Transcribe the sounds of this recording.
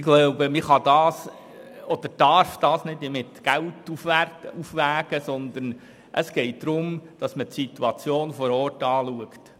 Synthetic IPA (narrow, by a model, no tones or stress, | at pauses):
ɪɡ̥lowbəmɪχɑd̥̪ɑːs | ɔd̪̥əɾd̥ɑɾfd̥ɑːsnɪdimɪtɡ̥æltufʋærtufʋæːɡ̥əsɔnd̪ən | ʔəsɡ̥ɛɪt̚d̪̥ɾʊmd̥ɑsmətsit̪uɑt͡sjoːnfɔɾɔːrtɑːluəkt